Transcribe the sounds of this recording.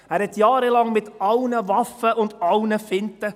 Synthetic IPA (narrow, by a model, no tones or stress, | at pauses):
æːɾhɛtjɑːɾəlɑŋmɪtɑlnəvɑfəʔʊndɑlnəfɪntə